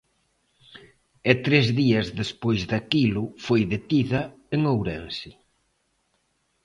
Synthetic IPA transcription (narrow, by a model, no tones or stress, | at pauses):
ɛt̪ɾezðiɐzðespojzðakilʊfojðet̪iðɐ | eŋowɾensi